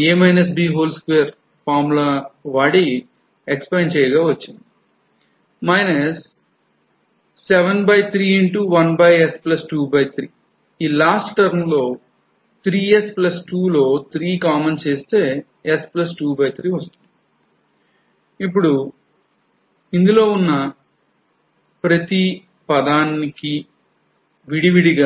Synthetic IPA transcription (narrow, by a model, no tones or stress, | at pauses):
eːmɐjnɐs̬biːɦoːlskʋeːɾ | pʰaːɾmulaːʋaːɽi | ekspɐjɳt͡ʃɛːjɡaːʋɐt͡ʃːind̪i | mɐjnɐs | ɛʋɐnbɐjt̪ʰɾiːiɳʈuʋɐnbɐjesplɐsʈuːbɐjt̪ʰɾiː | iːlaːsʈʈɐɾnlo̞ː | t̪ʰɾiːesplɐsʈuːlo̞ːt̪ʰɾiːkaːment͡ʃeːst̪e̞ː | esplɐs̬ʈuːbɐjt̪ʰɾiːʋɐst̪und̪i | ip̬ːuɽu | ind̪ulo̞ːunːɐ | pɾɐt̪i | pɐd̪aːniki | ʋiɽiʋiɽiɡa